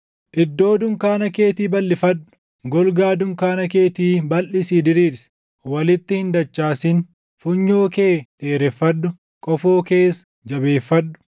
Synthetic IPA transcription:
ʔɪd̪ːo̞ːd̪ʊŋkaːnɐke̞ːt̪iːbɐlːɪfɐd̪ːʊ̥ | ɡɔlɡaːd̪ʊŋkaːnɐke̞ːt̪iːbɐlʔɪsiːd̪ɪɾiːɾsɛ̥ | wɐlɪt̪ːɪhɪnd̪ɐt͡ʃːaːsɪn | fʊɲːoːke̞ːt̪ʼeːɾɛfːɐd̪ːʊ | kʼɔfoːke̞ːs | d͡ʒɐbe̞ːfːɐd̪ːʊ̥

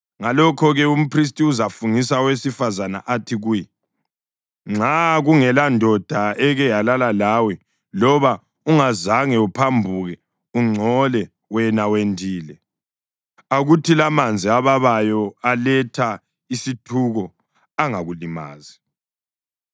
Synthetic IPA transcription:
ŋalɔkʰɔɣɛum̩pris̬tʼiuzafunisawesifazana̰ʔatʰiɣuji | ŋ͡ǁaɣuŋɛlandʱɔd̥ʱaɛɣɛjalalalawɛ | lɔβa | uŋazaŋɛupʰambʱuɣɛ | uŋ͡ǀʱɔlɛ | wɛnawendʱiːlɛ | aɣutʰilamand͡zʱiaβaβajɔalɛtʰa | isitʰuɣɔ | aŋaɣulima̰ːzi

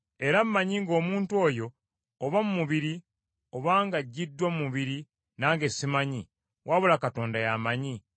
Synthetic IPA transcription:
e̞ɾammaɲiŋɡo̞ːmuːntuo̞ːjo̞ː | βamumuβiɾi | o̞βaːŋɡaɟːidːwamumuβiɾi | naːŋɡe̞simaɲi | wʔaβulakato̞ːndajamaɲi

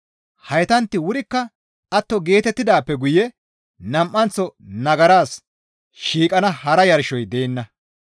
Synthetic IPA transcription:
hɐjt̪ɐnt̪ːɪwʊɾɪkːɐ | ʔɐt̪ːɔɡe̞ːt̪ɛt̪ːɪd̪aːpːɛɡʊjɛ | nɐmʔːɐnt͡sːɔnɐɡɐɾaːs | ʃiːkʼɐnɐhɐɾɐjɐɾʃɔjd̪e̞ːnːɐ

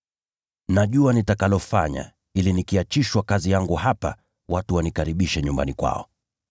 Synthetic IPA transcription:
naʄuanitakalɔfaɲa̰ | ilinikiat͡ʃiʃwakazijaŋɡuhapa̰ | watuwanikaɾiɓiʃɛɲumba̰nikwa̰ɔ̰

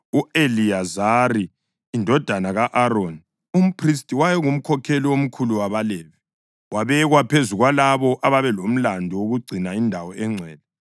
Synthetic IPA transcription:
uʔeliazariː | ndʱɔd̥ʱanaɣaʔaɾoni | um̩pʰris̬tʼiwajɛɣum̩kʰɔkʰɛliwom̩kʰuluwaβalɛːβɛ | waβɛɣwapʰezuɣwalaβɔʔaβaβɛlom̩landʱɔwoɣuɡ͡ǀʱinaindʱawɔɛŋ͡ǀʱɛːlɛ

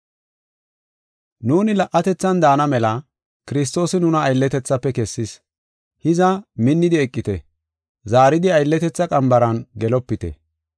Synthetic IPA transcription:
nuːnɪlɐʔːɐt̪ɛt͡sːɐnd̪aːnɐmɛlɐ | kɪɾɪs̬t̪o̞ːsɪnʊnɐːjlːɛt̪ɛt͡sːɐpːɛkɛsːɪs | hɪzɐmɪnːɪd̪ɪɛkʼːɪt̪ɛ | zaːɾɪd̪ɪɐjlːɛt̪ɛt͡sːɐkʼɐmbɐɾɐnɡɛlɔpːɪt̪ɛ̰

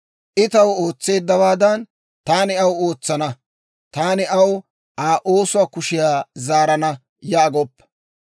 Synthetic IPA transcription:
ʔɪt̪ɐwo̞ːt͡sːe̞ːd̪ːɐwaːd̪ɐn | t̪aːnɪɐwoːt͡sːɐnɐ | t̪aːnɪʔɐw | ʔaːʔo̞ːsʊwaːkʊʃɪjaːzaːɾɐnɐ | jaːɡɔpːɐ

